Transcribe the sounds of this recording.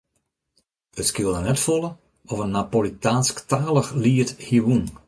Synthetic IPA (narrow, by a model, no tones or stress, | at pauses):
ətskɪlˠdənɛtfɔlə | ɔvənːapolitaːnsktaːləχliːəthiwun